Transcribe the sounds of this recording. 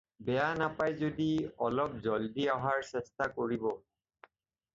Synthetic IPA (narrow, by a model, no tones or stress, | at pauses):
bɛjanapajzodiɔlɔp̚zɔldiaɦaɹsɛstakoɹibɔ